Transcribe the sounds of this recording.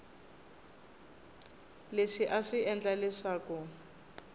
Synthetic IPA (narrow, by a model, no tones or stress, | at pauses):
leʂiʔaʂiʔɛnd͡ɮalɛʂaːkɔ